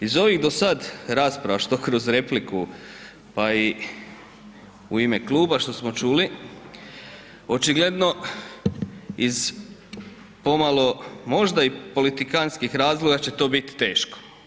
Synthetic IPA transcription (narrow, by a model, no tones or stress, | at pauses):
izo̞ʋiɣd̪o̞sad̪ɾaːspɾaʋaʃt̪o̞kɾo̞zɾe̞pliku | pai | uime̞klˠuːbaʃt̪o̞smo̞t͡ʃuːli | o̞t͡ʃiɡled̪no̞ | iz | po̞malo̞mo̞ʒd̪aipo̞lit̪ikanskixɾaːzlˠo̞ɡat͡ɕe̞t̪o̞ːbit̪i̥t̪e̞ːʃko̥